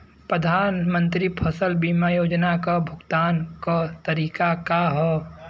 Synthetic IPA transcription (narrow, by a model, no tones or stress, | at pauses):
pɾəd̪ʱaːnmə̃nt̪ɾipʰəsəlbiːmajoːd͡ʒnakabʱʊɡt̪aːnkat̪əɾiːkakaɦɛ